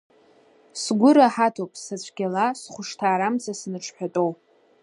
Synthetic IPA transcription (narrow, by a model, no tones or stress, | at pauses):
sɡʷʊɾaħatʰowpʼsat͡ɕʷʰʼɡʲalasχʷʊʂtʰaːɾamzasnɨʈ͡ʂʰħʷᶣatʼow